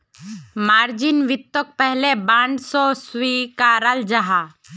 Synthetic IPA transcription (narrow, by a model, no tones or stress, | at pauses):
maːɾd͡ʒɪnʋɪt̪ːək̚pɛɦlebãːɳɖsɔswikaɾald͡ʒaɦa